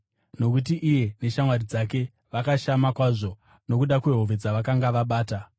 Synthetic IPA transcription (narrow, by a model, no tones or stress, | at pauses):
no̞kut̬iʔije̞ne̞ʃamwarid͡zak̬e̞ | ʋakaʃamakwaʐo̞ | no̞kuɗakwe̞ɦoʋe̞d͡zaʋakaŋɡaʋaɓaːta